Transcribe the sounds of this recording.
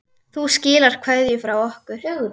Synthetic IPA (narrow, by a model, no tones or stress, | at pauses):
θuscɪːlaɾ̥kʰv̥ɛðjʏfɾawɔhkʏɾ̥